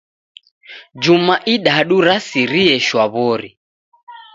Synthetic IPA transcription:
d͡ʒumaʔiɗaɗuɾasiɾiɛʃwaβɔɾi

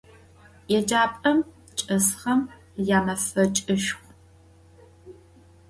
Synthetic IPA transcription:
jɛd͡ʒaːpʼɐm | t͡ʃʼɐsχɐm | jaːmɐfɐt͡ʃʼɨʃχʷ

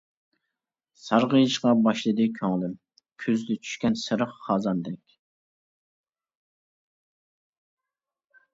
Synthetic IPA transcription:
sɑɾʁəjiʃqɑbɑʃlˠɨd̪ɨkʲʰøŋlɪm | kʲʰøzd̪ɪt͡ʃʰy̥ʃkʲɛnsɨɾəχχɑːzɑnd̪ɛkʲ

